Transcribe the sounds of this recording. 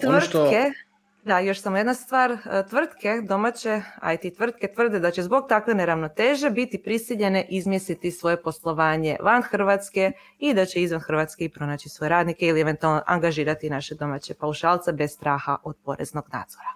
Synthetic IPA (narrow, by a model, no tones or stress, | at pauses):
t̪rt̪ke | d̪ajo̞ʃsamojed̪nast̪ʋaːɾt̪ʋr̩t̪kʰe̞d̪o̞mat͡ɕe̞a̰jt̪it̪ʋr̩t̪ke̞t̪ʋr̩d̪ed̪at͡ɕe̞zbo̞ɡ̚t̪akʋe̞neɾaʋno̞t̪eːʒebit̪ipɾisiʎe̞neʔizmjest̪it̪isʋo̞je̞po̞slˠo̞ʋaːɲe̞̰ʋanxr̩ʋat̪ske̞ | id̪at͡ɕeizʋanxr̩ʋat̪skeipɾo̞naːt͡ɕisʋo̞je̞ɾaːd̪nikeilieʋent̪ualnoʔa̰ŋɡaʒiːɾat̪inaʃed̪o̞mat͡ɕepauʃaːlˠt̪sebe̞sst̪ɾaːxa̰ʔo̞d̪po̞ɾḛzno̞ɡna̰ːd̪z̥oɾa